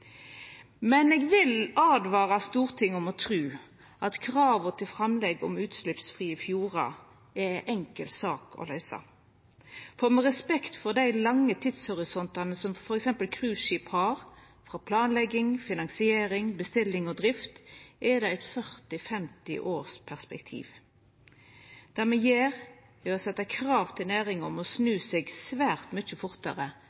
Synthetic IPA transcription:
mɛneːɡʋɪlɑːd̪ʋɑːʁɑst̪uːʁt̪ʰɪŋːɔmɔt̪ʰɾʉː | ʔɑt̪kʰʁɑːʋət̪ʰɪlfʁɑmlɛɡɔ̰mʉːt̪slɪpsfʁiːɪfjuːʁɑ̰ | ɛɪʔɛŋkəlt̪sɑːkʰɔ̰læɪʏsɑ̰ | fɔʁmɛʁɛspɛkt̪fɔʁd̪æɪlɑŋːət̪ʰɪt̪shɔʁɪsɔnt̪ɑnəsɔmfɔɾɛksɛmpəlkʰʁʉːʃiːphɑɾ | fʁɑpʰlɑːnlɛɡːɪŋfɪnɑŋsɪeːɾɪŋbəst̪ɪlːɪŋɔd̪ɾɪft̪ʔɛd̪ɛæɪt̪fœʁt̪ɪfɛmt̪ɪ̰ʔoːʁspʰæʁspɛkt̪ʰḭːʋ | d̪̥æʁmɛjeːʁ | ɛɔsɛt̪ːɑkʰɾɑːʋt̪ʰɪlnæːʁɪŋɔmɔsnʉːseːɡsʋæːʁt̪mœçəfʊɾt̪ɑʁə

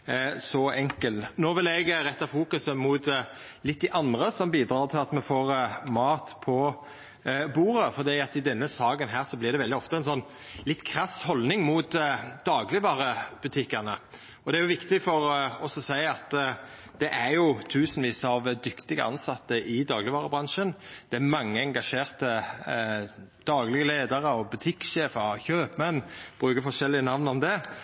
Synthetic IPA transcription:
sɔɛŋkəlt̪nɔːʋɪlɛɡɾɛt̪ːɑfuːkʉsəmʊt̪ | lɪt̪̚ːd̪ɪʔɑnd̪ʁəsɔmbiːd̪ɾɑːʁt̪ʰɪlɑt̪mɛfoːʁmɑːt̪pʰɔ | buːɾəfɔɾd̪iːɑt̪ɪd̪ɛnːəsɑːɡənɦæːʁsɔblɪʁd̪ɛʋɛld̪ɪɔft̪əɛnsɔnː | lɪt̪ːkʰɾɑshɔlnɪŋmʊːt̪d̪̥ɑːɡlɪbɑːʁəb̥ʉt̪ʰɪkːəʁnə | ɔd̪ɛæjʊʋɪkt̪ɪfɔʁɔsɔsæɪɑt̪ː | d̪̥ɛʔæɾjʊt̪ʰʉːsnʋiːsɑʋd̪ʏkt̪ɪɡəʔɑ̰nsɑt̪ːəʔɪd̪ɑːɡlɪʋɑːʁəbʁɑnʂənd̪̥ɛæmɑŋːəɛŋɡɑʂeːʁt̪ə | d̪̥ɑːɡlɪɡəleːd̪əʁəɔbʉt̪ʰɪkʃeːfəçøːpmɛnːb̥ʁʉːkəfɔʂɛlːɪənɑʋnɔmd̪ɛ

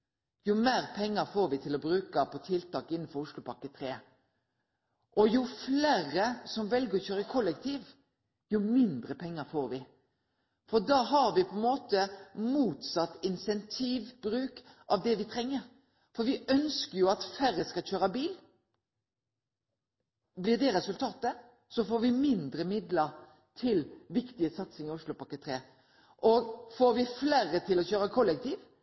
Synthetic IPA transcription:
jʊmeːʁpʰɛŋːəɾfoːɾʋɪt̪ʰɪlɔbɾʉːkəpʰɔt̪ʰɪlt̪ɑːkɪnːn̩fɔɾʊʂlʊpɑkːət̪ʰʁeː | ʔɔjʊfleːʁəsɔmʋɛlɡəʁɔçøːɾəkʰɔlːɛkt̪ʰiːʋ | jʊmɪnd̪ʁəpʰɛŋːəfoːɾʋɪ | fɔʁd̪ɑːhɑʁʋɪpʰɔɛnmoːt̪əmuːt̪sɑt̪ːɪnsɛnt̪ʰiːʋbɾʉːkʔɑʋd̪ɛʋɪt̪ʰʁɛŋːəɾ | fɔɾʋɪʔœnskəjʊɑt̪fæɾəskɑlçøːɾəbiːl | blɪʁd̪ɛɾɛsʉlt̪ʰɑːt̪ə | sɔfoːɾʋɪmɪnd̪ɾəmɪd̪ləɾ | t̪ʰɪlʋɪkt̪ɪəsɑt̪sɪŋɪʊʂlʊpɑkːət̪ʰɾeː | ʔɔɡfoːɾʋɪfleːʁət̪ʰɪlɔçøːɾəkʰɔlːɛk̚t̪ʰiːʋ

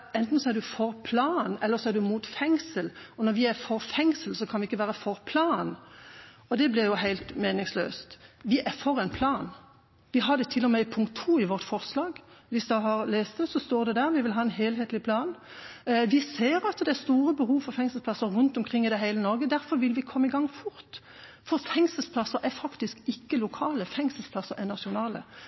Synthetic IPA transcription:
ɛnt̪n̩sɔɛɾd̪ʉfɔɾpʰlɑːnɛlːəɾsɔæʁd̪ʉmuːt̪fɛŋsəlɔnɔɾʋɪæɾfɔɾfɛŋsəlsɔkʰɑnʋɪɪkːəʋæːɾəfɔɾpʰlɑːn | ɔd̪ɛblɪɾjʊɦæɪlt̪meːnɪŋslø̰ːst̪ʋɪʔæʁfɔɾɛɪnpʰlɑːn | ʋɪɦɑd̪ɛt̪ʰɪlːɔmɛɪpʰʊŋkt̪ʰːuːɪʋɔɾt̪fɔʁslɑːɡʋɪsd̪ɑɦɑʁleːst̪əsɔst̪oːʁd̪ɛd̪æɾʋɪʋɪlɦɑːɛnɦeːlɦeːt̪lɪpʰlɑːn | ʋɪseːɾɑt̪d̪ɛæst̪uːɾəbəɦuːfɔɾfɛŋsəpʰlɑsəɾʁʉnt̪ɔmkʰʁɪŋːɪd̪ɛɦæɪlənɔɾʁɡəd̪æɾfɔɾʋɪlʋɪkʰɔmːəɪɡɑŋːfʊɾt̪ | fɔɾfɛŋsəspʰlɑsːəɾɛfɑkt̪ɪskɪkːəlʊkʰɑːləfɛŋsəlspʰlɑsəɾɛnɑʃʊnɑːlə̰

